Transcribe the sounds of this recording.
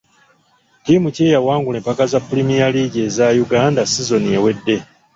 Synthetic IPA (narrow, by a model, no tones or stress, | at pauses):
timuce̞ːjawaːŋɡule̞mpakazapːulimijaliɟe̞ːzajuɡaːndasizo̞niewe̞dːe̞